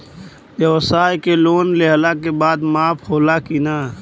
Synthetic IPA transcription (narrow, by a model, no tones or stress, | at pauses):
jjɛʋsaːjkeloːnleɦlakebaːd̪maːphoːlakinaː